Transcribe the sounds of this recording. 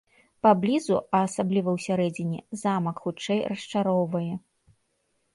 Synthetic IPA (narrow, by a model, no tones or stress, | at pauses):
pablʲizuɐːsablʲivɐwsʲaɾɛd͡zʲɪnʲɛ̰zamɐkxut͡ʂɛjrɐʂt͡ʂaɾɔwvɐjɛ